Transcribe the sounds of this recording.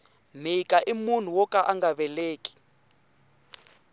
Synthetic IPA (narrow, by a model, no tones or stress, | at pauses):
m̤ikʼaʔimun̤uwɔkʼaʔaŋɡaβɛleːkʼi̥